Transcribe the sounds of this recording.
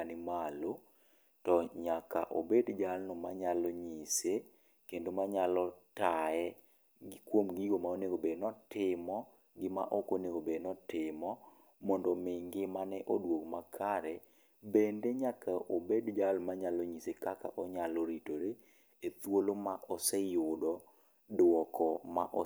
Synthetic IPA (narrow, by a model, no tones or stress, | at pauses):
anɪmalo | tɔɲaka̰ʔo̰bedd͡ʒalnɔmaɲalɔɲise | kendomaɲalɔtaɛ | ɡkwomɡiɡomaoneɡobenɔtɪmɔ | ɡɪma̰ʔokoneɡobenɔtɪmɔ | mɔndɔmɪŋɡɪmanɛʔodwokmakʰaɾɛ | bendeɲakaʔobedd͡ʒalmaɲalɔɲisekaka̰ʔɔɲalɔɾitoɾe | et̪wolomaʔɔsɛjʊdɔ | dwɔkʰɔma̰ʔɔ